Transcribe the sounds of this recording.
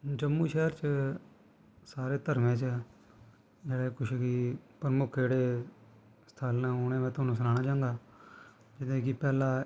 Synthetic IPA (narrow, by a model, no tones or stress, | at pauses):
d͡ʒəmːũːʃɛːɾt͡ʃ | saːɾeːt̪əɾmẽːt͡ʃː | d͡ʒeːɽeːkʊʃkipɾəmʊkʰeːɽeː | sə̥t̪ʰaːlnaːoːnẽːmɛ̃ːt̪ʊɦaːnũːs̬ənaːnaːd͡ʒãːŋɡaː | d͡ʒɪd̪ẽːkiːpɛːlãː